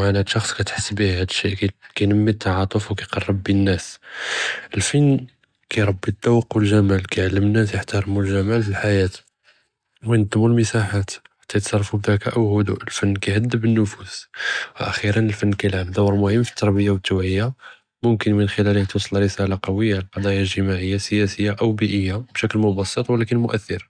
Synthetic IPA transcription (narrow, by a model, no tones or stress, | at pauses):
aʕanhæd̪ʃɑxsˤkæt̪ħə̥sːbihhæd̪ʃːiʔkkæjnəmːit̪ːɑʕɑt̪ˤəfwkæjqɑrˤːɑbːinːæs | ʔəlfənː | kæjɾˤɑbːid̪ːɑwəqːwəlʒæmælkæjʕalːəmənːæsjəħt̪ɑɾˤmulʒæmælfilħajæt̪ | wəjnəd̪ˤmːulməsaħat̪ħḁt̪ːæjt̪sɑrˤfubd̪ækæʔəwhʊd̪ṵʔəlfənːkæjhəd̪ːəbənːʊfuswʔæ̰xiɾənəlfənːkæjlʕamd̪ɑwɾˤmʊhəmːfi̥t̪ːɑɾˤbəjːawət̪ːuʕəjːa | mʊmkənmənxəlælhæt̪wɑsˤlrəsælaqɑwəjːalqɑd̪ˤɑjalʒəmaʕəjːasəjæsəjːaʔəwbiʔəjːabʃækəlmʊbɑsˤːət̪ˤwəlækənmʊʔæθːəɾ